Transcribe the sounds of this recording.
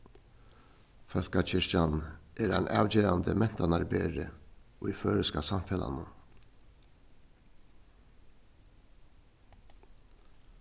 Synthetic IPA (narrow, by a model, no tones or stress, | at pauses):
fœl̥kat͡ɕʰɪʂcanʔɛɾanʔa̰ːwt͡ɕeːɾand̪əmɛn̥t̪anaɾbeːɾɪʊjføːɾɪskasamfɛla̰nʊ